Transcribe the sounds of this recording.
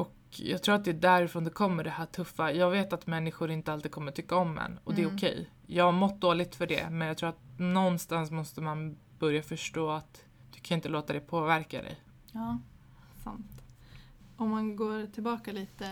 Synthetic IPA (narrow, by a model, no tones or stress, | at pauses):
ʔɔk | jɑ̰ːɡt̪ʰɾuːɾat̪̚d̪ɛːɖæɾɪfɾoːnd̪ɛkʰɔmːəɖɛhæːʈʰɵfːajɑːɡveːt̪at̪mɛnːɪɧʊɾɪnt̪əalt̪id̪kʰɔmːəʈʰʏkːaɔmd̪ɛ̰nːɔd̪ɛːʊkʰɛ̰j | jɑːɡhaɾmɔt̪̚ːd̪oːlɪɡ̚t̪fœɖɛ̰mɛnjaɡt̪ʰɾuːat̪nɔnːst̪ansmɔst̪əman | b̥œɾjafœʂʈoːat̪ | d̪̥ɵkʰanɪnt̪əloːt̪ad̪ɛpʰoːvæɾka̰d̪ɛ̰j | ɑː | sa̰nt̪ | ɔmːanɡoːʈʰɪlbɑːkaliːt̪ə